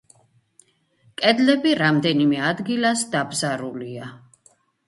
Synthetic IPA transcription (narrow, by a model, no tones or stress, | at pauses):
kʼɛd̪lɛbiɾamd̪ɛnimɛad̪ɡilasd̪abzaɾulia